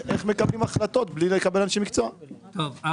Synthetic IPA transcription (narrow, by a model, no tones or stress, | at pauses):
ʔeχme̞kablimaχlat̪o̞t̪blilekabelanʃemikt͡soato